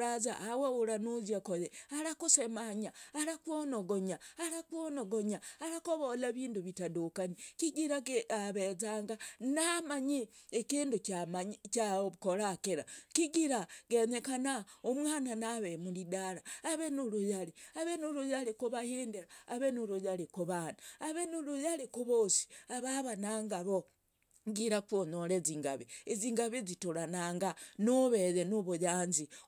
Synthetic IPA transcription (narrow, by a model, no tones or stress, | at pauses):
azaʔːweuɾanuzjakojeaɾakusemaɲaːɾakwonoɡoɲaːɾakwonoɡoɲaːɾakoβolaβiːnduβitadokanikiɡiɾaɡaβezaːŋɡanamaɲiekiːnducamaɲt͡ʃakoɾakeɾakiɡiɾaɡeɲekanaomwaːnanaβemulidaɾaːβenulujaliaβenulujalikuβahiːndeɾaːβenulujalikoβanaaβenulujalekuβosi̥aβaβanaːŋɡaβo | ŋɡiɾakwonoɾeziŋɡa̰βieziŋɡaβizituɾanaːŋɡanoβeɾenoβujaːnzi